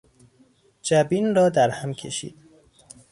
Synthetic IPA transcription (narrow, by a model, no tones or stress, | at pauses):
d͡ʒæbiːnrɒːd̪æɾhæmcʰḛʃḭːd̪̥̚